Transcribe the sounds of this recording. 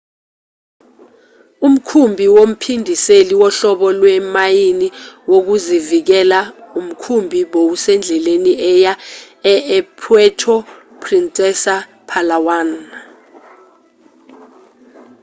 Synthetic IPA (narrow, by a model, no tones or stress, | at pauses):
um̩kʰumbʱiwom̩pʰindʱiseliwɔɬɔɓɔlwɛmajiniwok̬uzivik̬ɛlaum̩kʰumbʱiɓowusɛnd͡ɮʱɛleniɛja | ɛɛpʰwɛtʰɔ | pʰrint͡sʼɛsa | pʰalawan